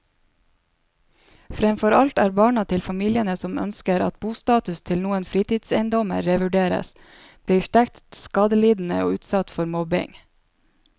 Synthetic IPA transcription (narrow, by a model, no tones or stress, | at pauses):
fɾɛmfɔɾɑlt̪æːɾbɑːɳɑt̪ʰɪlfɑmiːljənəsɔmœ̰nskəɾɑ̰t̪̚buːst̪ɑːt̪ʉst̪ʰɪlnuːənfɾiːt̪iːd̪sɛɪnd̪ɔmə̰ɾɾeʋʉɖeːɾə̰s | b̥liːʃʈ̪ɛkt̪skɑd̪əliːd̪n̩ə̰o̰ːʉːt̪sɑt̪fɔɾmɔbɪ̰ŋ